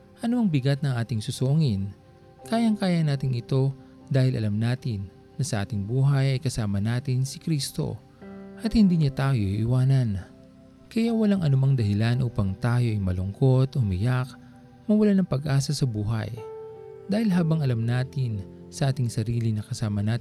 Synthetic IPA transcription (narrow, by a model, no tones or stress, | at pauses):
ʔɐnoɐŋbɪɡat̪̚nɐŋʔaːt̪ɪŋsʊsoːŋɪn | kaːjɐŋkaːjɐnaːt̪ɪŋɪt̪o̞ | d̪aːhɪlʔɐ̰lɐmnaːt̪ɪnː | ɐsɐʔaːt̪ɪŋbuːɦɐjɐjkɐsaːmɐnaːt̪ɪnsɪkɾist̪o̞̰ | ʔɐt̪hɪnd̪iːɲat̪aːjo̞ʔḭʔɪwaːnɐn | kɐjawɐlaŋʔɐnʊmaŋd̪ɐhɪlanʔuːpɐŋt̪aːjo̞ʔɐjmɐlʊŋko̞t̪ʔʊmɪjak | mɐwɐlanɐŋpɐɡʔaːsɐsɐbuːɦɐ̰j | d̪aːhɪlɦaːbɐŋɐlamnaːt̪ɪnsɐʔaːt̪ɪŋsɐɾiːlɪnɐkɐsaːmɐnaː